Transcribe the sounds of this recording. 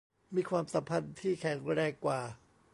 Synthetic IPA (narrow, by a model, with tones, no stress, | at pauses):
miː˧kʰwaː˧msa˨˩˦mpʰa˧nt̪ʰiː˥˩kʰɛ˩˦ŋɾɛː˧˩kːwaː˨˩